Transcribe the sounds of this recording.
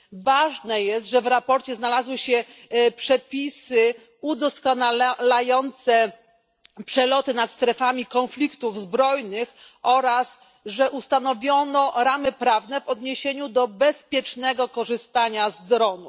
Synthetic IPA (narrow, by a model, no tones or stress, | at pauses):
vaʐnɛjɛst̪ʐɛvɾapɔɾt͡ɕɛznalazwɘɕɛpʂɛpʲisɘ | ud̪ɔskɔnallajɔnt̪sɛ | pʂɛlɔt̪ɘnat̪st̪ɾɛfamʲikɔnflʲikt̪uvzbɾɔjnɘx | ɔɾas | ʐɛʔust̪anɔvʲjɔnɔɾamɘpɾavnɛvɔd̪ɲeɕeɲud̪ɔbɛspʲjɛt͡ʂnɛɡɔkɔʐɘst̪aɲazd̪ɾɔnu